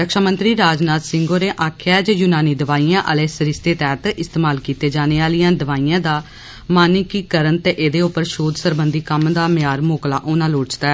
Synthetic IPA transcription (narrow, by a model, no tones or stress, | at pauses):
ɾəkʃaːmə̃nt̪ɾiːɾaːd͡ʒnaːt̪sɪŋɡoːneːʔaːkʰjaːd͡ʒəjuːnaːniːd̪əʋaːiːãːʔəleːsəɾɪst̪eːt̪ɛːt̪ɪst̪eːmaːlkiːt̪eːd͡ʒaːneːaːlijãːd̪əʋaːiːjãːd̪aː | maːnɪkiːkəɾənt̪eːʔeːd̪eːʊpːəɾʃoːd̪səɾbənd̪iːkəmd̪aːmɪjaːɾmoːkla̰ːʔoːnãːloːt͡ʃt̪aːɛː